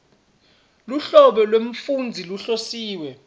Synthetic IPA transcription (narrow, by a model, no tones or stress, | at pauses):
luɬɔɓɛlwem̩fund͡zʱiluɬosiːwɛ